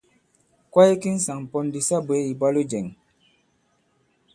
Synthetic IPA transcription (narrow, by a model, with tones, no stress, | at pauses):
kwa˦i˦ki˦n̩˦sa˨ŋ˨pɔ˦ndi˨sa˦be˨˦i˨ba˦lu˦d͡ʒɛ˨ŋ